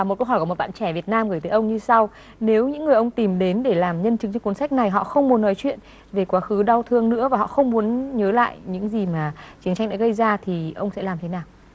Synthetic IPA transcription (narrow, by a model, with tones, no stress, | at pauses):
a˨m̚˨˩kə˧wɦɔ˧˩kt̚ɓa̰ː˧˨nt͡ɕɛ˧˩vi˨˩ət̚naː˧mɣəː˧˩jt̪əː˨˦ʔə˧wŋ͡mɲɨ˧sa˧w | ne˨˦wɲɨ̰˧˥ŋːɨ˨˩əjʔə˧wŋ͡mt̪i˨˩mɗe˨˦nɗe˧˩laː˨˩mɲə˧nt͡ɕɨ˨˦ŋt͡ɕɔ˧wku˨˦nsa˦˥jk̚na˨˩jɦɔ̰˧˨xə˧wŋ͡mmu˨˦ənːɔ˨˦jt͡ɕwḭ˧˨ən | ve˨˩kwaː˨˦xɨ˨˦ɗa˧wt̪ʰɨ˧əŋnɨ̰˧˥əvaː˨˩ɦɔ̰˧˨xə˧wŋ͡mmu˨˦ənɲəː˨˦la̰ː˧˨jɲɨ̰˧˥ŋzi˨˩maː˨˩t͡ɕi˨˦ənt͡ɕa˧jŋ̟ɗa̰ː˧˥ɣə˧jzaː˧t̪ʰi˨˩ʔə˧wŋ͡msɛ̰˧˥laː˨˩mt̪ʰe˨˦naː˨˩w